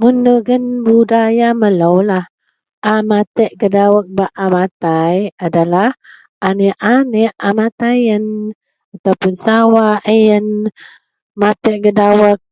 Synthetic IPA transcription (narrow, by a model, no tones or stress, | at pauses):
munduɡənbudajamələwlah | ʔamat̪əʔɡədawək̚baʔamat̪ajadalah | aniʔanɛʔamat̪ajən | at̪awpʊnsawaʔəjən | mat̪əʔɡədawək̚